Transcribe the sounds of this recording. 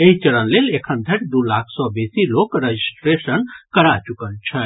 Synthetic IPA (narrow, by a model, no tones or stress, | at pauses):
eɦit͡ʃəɽənlelekʰənd̪ʱəʈd̪ulakʰsɔbesilokɾed͡ʒisʈɾesənkəɾat͡ʃukəlt͡ʃʰə